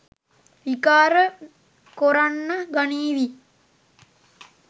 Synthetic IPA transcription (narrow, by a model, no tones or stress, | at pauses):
ʋikaːɾə | koɾanːaɡaniːʋi